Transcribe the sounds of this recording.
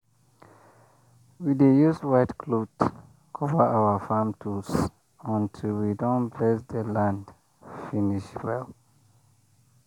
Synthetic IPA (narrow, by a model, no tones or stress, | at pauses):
widejuswaɪtkʰlod | kʰɔvəʔawəfamtʰus | ɔ̃ntʰilwidɔ̃nblɛsd̪əlãnd | finiʃwɛl